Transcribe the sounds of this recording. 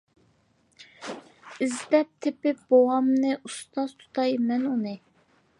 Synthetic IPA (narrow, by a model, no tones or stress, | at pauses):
izd̪ɛp̚t̪ʰɪpɪb̥owɑmnɨʔust̪ɑz̥t̪ʰu̥t̪ʰɑjmɛnunɨ